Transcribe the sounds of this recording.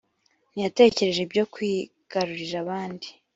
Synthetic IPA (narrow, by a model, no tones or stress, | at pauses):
nijate̞ce̞ɾe̞ʒe̞bɟo̞kwiː | ɡ̥aɾuɾiɾaβaːndi